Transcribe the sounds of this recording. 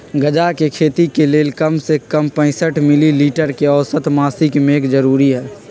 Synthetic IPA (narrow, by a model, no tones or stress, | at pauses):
ɡəd͡ʒakekʰeːt̪ikeleːlkəmsekəmpə̃ɪsəʈmɪliliːʈəɾkeɔːsət̪maːsɪkmeːkd͡ʒəɾuːɾiɦɛː